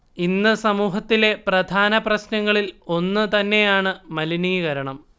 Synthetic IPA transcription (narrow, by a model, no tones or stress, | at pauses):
inːɨsɐmuːɦɐt̪ːile̞prɐd̪ʱaːnɐprɐɕnɐŋːɐɭilo̞nːɨt̪ɐnːe̞jaːɳɨmɐliniːɣɐɾɐɳɐm